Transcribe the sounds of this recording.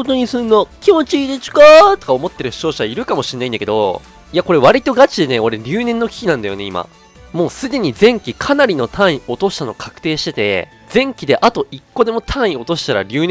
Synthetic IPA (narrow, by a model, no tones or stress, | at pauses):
ot̪oɲ̟isɨ̃nːo̞kʲimo̞t͡ɕiid̪et͡ɕi̥kat̪o̥kaomo̞t̪ːe̞ɾɯ̟̥t͡ɕo̞ːɕaaiɾɯ̟kamo̞ɕĩnːaĩnd̪ake̞d̪o̞̰ | iako̞ɾe̞β̞aɾʲit̪o̞ɡat͡ɕid̪e̞neo̞ɾe̞ɾʲɨːnẽ̞nːo̞kʲi̥kʲinãnd̪ajo̞ne̞ima̰ | mo̞ːsɨd̪e̞ɲ̟izẽ̞ŋkʲikʰanaɾʲino̞t̪ʰãɰ̃ĩo̞t̪o̞ɕi̥t̪ano̞kʰḁkɯ̟̥t̪e̞ːɕi̥t̪e̞t̪e̞̰ | d͡zẽ̞ŋkʲid̪e̞ʔat̪o̞ikːo̞d̪e̞mo̞t̪ʰãɰ̃ĩo̞t̪o̞ɕi̥t̪aɾa̰ɾʲɨːn